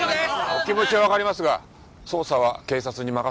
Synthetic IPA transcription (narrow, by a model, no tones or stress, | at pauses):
okʲimo̞t͡ɕiɡaβakaɾimasɨɡa | so̞ːsaβ̞ake̞ːsat͡sɨɲ̟imaka